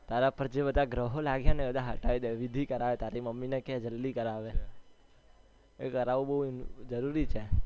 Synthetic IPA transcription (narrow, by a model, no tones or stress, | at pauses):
t̪aɾapəɾd͡ʒebəd̪ʱaɡɾəɦolaɡjãnebəd̪ʱaɦəʈaid̪aʋid̪ʱikəɾaʋet̪aɾiməmːinekɛɦd͡ʒəlːikəɾaʋe | ekəɾaʋũbəɦud͡ʒəɾuɾit͡ʃʰe